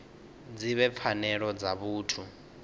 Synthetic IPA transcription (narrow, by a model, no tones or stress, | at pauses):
d͡ziβɛp̪fʰanɛɺɔd͡zaβuːtʰu